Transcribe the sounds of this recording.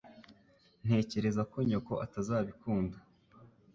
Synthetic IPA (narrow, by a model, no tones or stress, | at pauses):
n̥he̞ːce̞ɾe̞zako̞ɲoko̞ʔatazaːβikuːnda